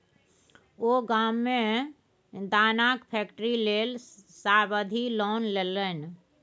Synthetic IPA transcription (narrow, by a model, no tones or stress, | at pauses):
oːɡaːmːẽ | d̪aːnaːkpʰɛːkʈɾileːlsaːɾbəd̪ʱilɔːnleːlən